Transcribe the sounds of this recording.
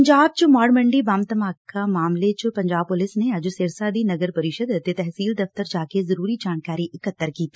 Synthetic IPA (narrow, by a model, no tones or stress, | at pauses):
ɲd͡ʒaːb̚t͡ʃʊmaːɾmɐ̃ɳɖibaːmt̪əmaːkamaːmlet͡ʃʊpɐ̃ɲd͡ʒaːb̚pʊlɪsneɐd͡ʒoseːɾsaːd̪inɐɡəɾpɐɾɪʃəd̪t̪et̪ɛɦsiːld̪ɐft̪əɾd͡ʒaːkezɐɾuːɾid͡ʒaːnkaːɾiʔɪkət̪ːəɾkiːt̪i